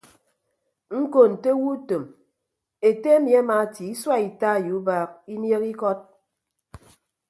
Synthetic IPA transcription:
ŋ̩˦ko˨n̩˨te˦wu˦to˨m | e˨te˦mja˦ma˨˦ti˨i˦swa˦i˨ta˦˨ju˨˦ba˦k̚i˦nje˦ki˦kɔ˦t̚

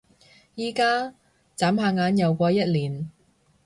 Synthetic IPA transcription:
jiː˨kaː˥ | t͡saː˨˥mhaː˧ŋaː˨˥njɐ˨˧wkʷɔː˧jɐ˥t̚liː˨˩n

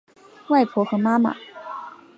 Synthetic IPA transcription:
wa˥˩ɪpʰɔ˧˥xɤ˧˥ma˥ma̰˨˩˦

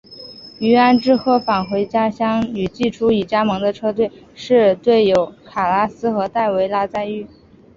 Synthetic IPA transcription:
y˧˥a˥nʈ͡ʂɻ̩˥xʰɤ˥˩fa˨˩nxwe˧˥ɪt͡ɕja˥ɕjɑ˥ŋy˨˩t͡ɕi˥˩ʈ͡ʂʰu˥i˨˩t͡ɕja˥mɤ˧˥ŋd̪ə˧ʈ͡ʂʰɤ˥t̪̬we˥˩ɪ | ʂɻ̩˥˧t̪we˥˩ɪjo˧˥ʊkʰa˨˩la˥sɹ̩˥xɤ˧˥t̪a˥˩ɪwe˧˥ɪla˥t͡sa˥˧ɪy˥˩

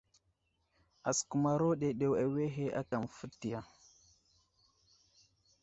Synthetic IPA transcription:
a˨sku˨ma˨ɾo˦ɗe˨ɗe˨wa˨we˦ɦe˦ʔa̰˦ka˨mfu˦tːi˨ja˨

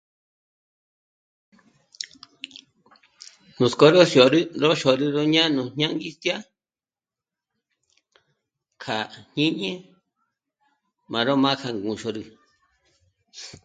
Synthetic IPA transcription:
nũ˨sko˧˦ɾo˦sjo˨ɾi˦ɾo˦ʃo˨ɾi˧ɾo˦ɲã˦nũ˧ɲ̥ɲã˦ŋɡi˦st̪ja˦ | kʰa˨ɲ̥ĩ˦ɲẽ˦ | mã˨ɾo˦mã˦kʰa˧ŋɡũ˨ʃo˧ɾi˧˨

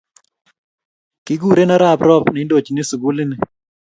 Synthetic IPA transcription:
kɪ˦ɡu˦˨ɾe˦na˦ɾa˦˨pɾɔ˦pnɪ˨˦ndo˨t͡ʃnɪ˦su˨ɡu˦lɪ˦nɪ˨

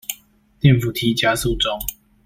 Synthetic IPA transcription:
t̪jɛ˥˨nfu˨˩t̪ʰi˨˦t͡ɕja˦su˥˨ʈ͡ʂo˥˦ŋ

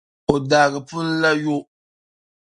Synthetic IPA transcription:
o˨daː˨ɣɨ˨pʊ˦lla˦jo˦

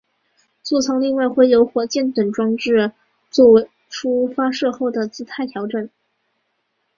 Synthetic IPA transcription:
t͡su˥˩t͡sʰɑ˧˥ŋli˥˧ŋwa˥˧ɪxwe˥˩ɪjo˧˥ʊxwɔ˧˥t͡ɕjɛ˥˩nt̪wə˨˩nʈ͡ʂwɑ˥ŋʈ͡ʂɻ̩˥˧ | t͡swɔ˥˩we˧˥ɪ | ʈ͡ʂʰu˥fa˥ʂɤ˥˧xo˥˩ʊd̪ə˩t͡sɹ̩˥t̪ʰa˥˩ɪt̪ʰjɑ˧˥ʊʈ͡ʂə˥˩n

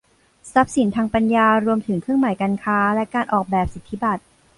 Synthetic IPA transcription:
sa˦˥p̚si˩˦nt̪ʰaː˧ŋpa˧njaː˧ɾu˧əmt̪ʰɯ˩˦ŋkʰɾɯ˥˩əŋma˩˦jka˧nkʰaː˦˥lɛ˦˥kaː˧nʔɔː˨˩k̚bɛː˨˩p̚si˨˩˦t̪ʰːi˦˥ba˨˩t̪̚

